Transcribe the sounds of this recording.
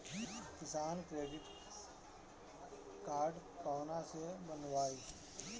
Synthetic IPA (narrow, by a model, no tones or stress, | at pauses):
kɪsaːnkɾeːɖɪʈ | kaːɾɖ | pɔːnasebənʋaːiː